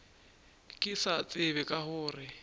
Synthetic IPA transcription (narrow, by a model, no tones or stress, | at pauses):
kʼɪsat͡sʼɪβɛkʼahʊːrɪ